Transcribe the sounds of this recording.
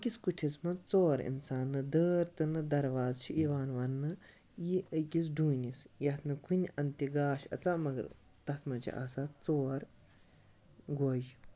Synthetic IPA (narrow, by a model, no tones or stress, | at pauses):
kʲiskuʈʰismɐt͡soːɾḭnsaːnːɨd̪əːɾt̪ɨnɨd̪ɐɾʋaːzt͡ʃʰiʔiʋaːnʋɐnːɨ | jiʔəkʲis̬ɖuːnisjɐt̪ʰnɨkʰunʲɐnt̪iɡaːʃɐ̰t͡samɐɡɐ̰ɾ | t̪ɐt̪ʰmɐt͡ʃʰḭʔa̰ːsaːtt͡soːɾ | ɡoːʒ